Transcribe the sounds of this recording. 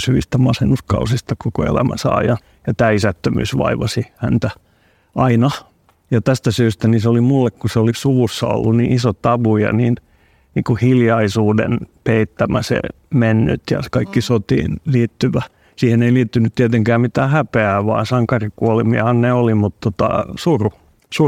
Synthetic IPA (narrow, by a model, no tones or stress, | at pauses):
syʋist̪æmɑsenːuskɑ̰usist̪ɑkoko̰ḛlæ̰mæ̰sɑ̰ːjɑ | jɑt̪æːisæt̪ːømy̰ːsʋɑ̰iʋɑsihæ̰nt̪æ | ʔɑinɑ | jɑt̪æst̪æsyːst̪æniseolimulːekkuseolisuʋusːɑ̰o̰lːunniːʔisot̪ɑʋujɑ̰niːn | nḭːkuhiljɑisuːdḛnpeit̪ːæmæsḛ | menːy̰t̪jɑ̰kɑikːisot̪ḭːnliːt̪ːyʋæ | siːheneiliːt̪ːynyt̪t̪iet̪eŋkæːmmit̪æːhæpeæːʋɑ̰ːsɑŋkɑrikuolimiɑ̰hɑnneolimut̪t̪ot̪ɑ̰suru | su